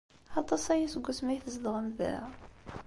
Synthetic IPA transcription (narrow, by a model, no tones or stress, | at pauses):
ɑt̪ˤɑsæjæsəɡʷːæsmæjθəzd̪ʁəmðæ̰